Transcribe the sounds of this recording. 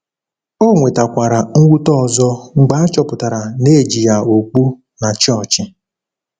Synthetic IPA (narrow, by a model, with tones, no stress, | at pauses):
o˦˨ŋʷe˨ta˨kʷa˨ɾa˨ŋ̩˦wʷu˦tɔ˦˨zɔ˦ŋ͡m̩˨ɡ͡ba˦a˦t͡ʃɔ˦pʊ˨ta˨ɾa˨ne˦˨d͡ʒi˨ja˨o˨k͡pu˦ | na˨t͡ʃɔ˦˨t͡ʃɪ˨